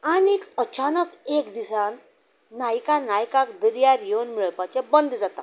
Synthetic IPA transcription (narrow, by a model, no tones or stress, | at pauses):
anekət͡ɕanəkekd̪isanː | ajkanajkakd̪əɾjaɾjewnmiɭpat͡ɕẽbənd̪d͡zat̪a̰